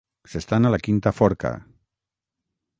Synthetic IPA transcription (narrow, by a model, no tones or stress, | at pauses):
sest̪analakint̪afɔɾka̰